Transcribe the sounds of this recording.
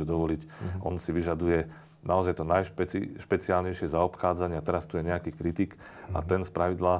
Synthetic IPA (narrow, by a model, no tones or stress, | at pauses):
ɛd̪ɔʋɔlicʔɔnsiʋiʒad̪ujɛ | nʔaɔzajt̪ɔnajʃpɛḭʃpɛt͡siaːlɲɛjʃɪɛzaɔpxaːd͡zaɲɪat̪ɛɾast̪ujɛɲɛakiːkɾit̪ik | a̰t̪ɛnspɾaʋid̪laː